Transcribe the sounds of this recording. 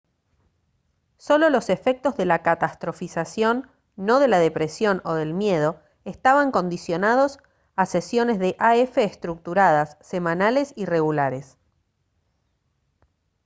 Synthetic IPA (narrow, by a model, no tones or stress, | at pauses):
so̞lo̞lo̞sefe̞k̚t̪ozðe̞lakat̪ast̪ɾofisasjo̞nː | o̞ðe̞laðe̞pɾesjo̞no̞ðelmje̞ð̞o̞ | est̪aβaŋko̞nd̪isjo̞naðo̞s | asesjo̞ne̞zðe̞ʔaefeːst̪ɾuk̚t̪uɾað̞asːe̞mãnalesire̞ɣulaɾe̞s